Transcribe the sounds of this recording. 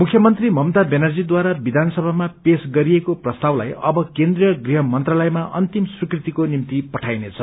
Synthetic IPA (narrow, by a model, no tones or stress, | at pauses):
mukʰjʌmʌnt̪rimʌmt̪abenʌrd͡zid̪waɾabid̪ʱanʌsʌbʱamapesɡʌɾiekoprʌst̪awla̰jʌbʌkend̪rijʌɡriɦʌmʌnt̪ralʌjmaʔʌnt̪imsrikrit̪ikonimt̪ipʌʈʰajnet͡sʰʌ